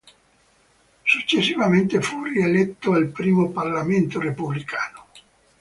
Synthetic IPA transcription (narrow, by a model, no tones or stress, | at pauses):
sut͡ʃːesːivament̪efurielɛt̪ːoalpɾiːmoparlament̪oɾepublikʰaːno